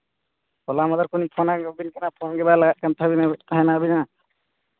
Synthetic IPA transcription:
kɔlamad̪aɾkunipʰɔnaɡɔbinkɛnapʰɔnɡɛbalaɡat̚ˀkʰant̪ʰabint̪ʰaɦɛnaːbina

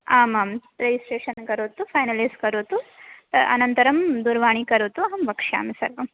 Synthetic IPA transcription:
aːmaːmɾed͡ʒisʈeːʂɐnkɐɾuːt̪ːupʰɐjnɐlɐjskɐɾuːt̪uɐ̰nɐnt̪ɐɾɐmd̪uɾʋaːɳ̃ikɐɾuːt̪uɐɦɐmbɐkʂja̰ːmisɐ̰ɾʋɐm

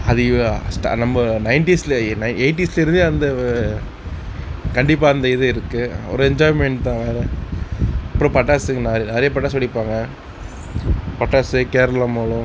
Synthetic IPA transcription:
ɐðɯsʈa̰nɐmbɐnɐɪnʈislɐnɐɪeɪʈːislɐɪɾɯnd̪ɯɐnd̪ɐ | kɐɳɖɪpːaːɐnd̪ɐɪðɯɪɾɯkːɯɔ̰ɾɯɛɲd͡ʒaːɪmɛɳʈt̪ãːʋeːɾɛ | ɐpːɯɾõːpɐʈːaːsɯŋnaːɾnɐɾɪjɐp̬ɐʈːaːsɐlːɪpːaːŋɡɐ | pɐʈːaːsɯkeːɾɐlɐmoːɭʊ̃

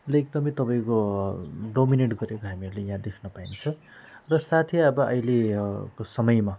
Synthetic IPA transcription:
leek̚d̪ʌmʌjt̪ʌpaj̃ko | ɖomineʈɡʌɾekoɦamiʌɾulejãd̪ekʰnʌpaint͡sʰʌ | rʌsat̪ʰiʌbʌʔʌ̰jlekosʌmʌjma

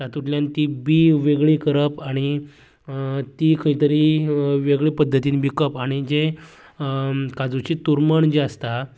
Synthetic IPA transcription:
t̪at̪uʈljant̪ibiʋeɡɭikəɾəpaɽ̃i | t̪ikʰəɦĩt̪əɾiʋeɡɭiːpəd̪ʱːət̪iːnbikəpaɽ̃id͡ʑe | kad͡zut͡ɕiːt̪uɾməɳd͡ʑəst̪a

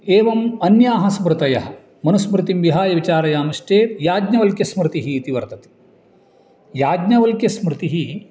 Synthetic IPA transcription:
eːʋɐmɐnjaːɦɐsmɾɨt̪ɐjɐ̰ɦɐ̆ | mɐnusmɾɨt̪imʋiɦaːjɐʋit͡ʃaːɾɐjaːmɐʃʈeːjaːɡɲɐʋɐlkjɐsmɾɪt̪iɦiːt̪iʋɐɾt̪ɐt̪i̥ | jaːɡɲɐʋɐlkjɐsmɾɪt̪iɦi

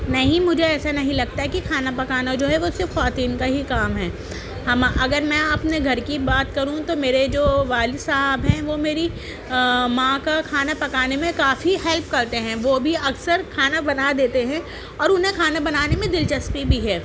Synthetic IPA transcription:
nɐɦĩmʊd͡ʒʱeɛːsanɐɦĩlɐɡ̚t̪aɦɛkikʰaːnapɐkaːnad͡ʒoːɦɛʋosɪɾfxaːt̪iːnkaɦikaːmɦɛː | hɐmaʔɐɡəɾmɛ̃ɐpneɡʱɐɾkibaːt̪kɐɾũt̪omeːɾed͡ʒoːʋaːlisaɦəbɦɛ̃ʋoːmeːɾi | mãkakʰaːnapɐkaːnemẽkaːfihɛlp̚kɐɾt̪eɦɛ̃ʋoːbʱiɐksəɾkʰaːnabɐnad̪eːt̪eɦɛ̃ | ɔːɾʊnɦẽkʰaːnabɐnaːnemẽd̪ɪlt͡ʃɐspibʱiɦɛː

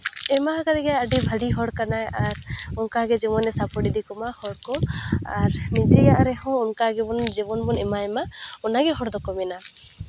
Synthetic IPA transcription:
ɛmaɦaɡad̪ɛɡaaɖibʱaliɦɔɽkanajaɾɔnkaɡɛd͡ʒɛmɔnɛsapɔɖid̪ikɔmahɔɽkɔa̰ɾnid͡ʒɛɡaʔɾɛhɔ̃ɔnkaɡɛbɔnd͡ʒɛbɔnbɔnɛmaɛmaɔnaɡɛɦɔɽd̪ɔkɔmɛna

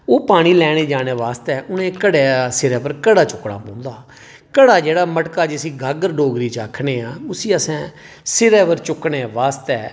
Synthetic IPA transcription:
oːpaːɽ̃iːlɛːɽ̃eːd͡ʒaːneːʋaːst̪ɛːʔʊnẽːkəɽeːsɪɾɛːpəɾkəɽaːt͡ʃʊkːɽa̰ːpɔ̃ːnd̪aː | kəɽaːd͡ʒeːɽaːməʈkaːd͡ʒɪsiːɡʱaːɡəɾɖoːɡɾiːt͡ʃaːkʰneːãːʊsiːəsɛ̃ː | sɪɾɛːpəɾt͡ʃʊkːɽeːʋaːst̪ɛː

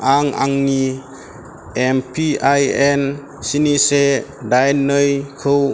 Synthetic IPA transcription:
aŋa̰ŋːi | empʰiajen | sinisedajnɯjkʰɯw

